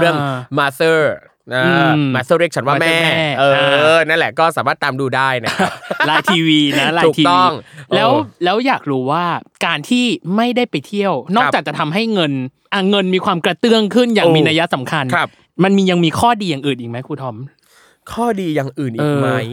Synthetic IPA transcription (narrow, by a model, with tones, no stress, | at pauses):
ɾɯ˥˩əŋma˦˥t̪ɤː˥˩ | na˦ɯː˧ma˦˧t̪ɤː˥˩ɾeː˦˥˩k̚t͡ɕʰa˦nwaː˥˧˩mɛɛː˥˩mːɛː˥˩ʔɤːna˥˩nlɛ˨˩kɔː˥˩saː˩˦maː˥˩t̪ːaː˧mduː˧daː˥˩jna˦˥˩laː˧jt̪ʰiː˧wiː˧na˦˥laː˧u˨˩tʰi˧t̪ɔ˥˩ŋlɛː˦˥wlɛː˦˥wjaː˨˩k̚ɾuː˦waː˥˩kaː˧nt̪ʰiː˥˩ma˥˩jdaː˥˩jpa˧jt̪ʰi˥˩əwnɔː˥˩k̚aː˨˩k̚t͡ɕa˨˩t̪ʰa˧mɦa˥˩jŋɤ˧n | ʔa˧˩ŋɤ˧nmiː˧kʰwaː˧mkɾa˧t̪ɯ˥˩əŋkʰɯ˥˩njaː˨˩ŋmiː˧naː˧ja˦˥sa˩˦mkʰa˧nʰa˦˩p̚ | ma˧nmiː˧ja˧ŋmiː˧kʰɔː˥˩diː˧jaː˨˩ŋʔɯː˨˩nʔiː˨˩ma˦˥jkʰuː˧t̪ʰɔ˦˥m | kʰɔː˥˩diː˧ja˨˩ŋʔɯː˨˩nʔːɤː˨˧ma˦˥j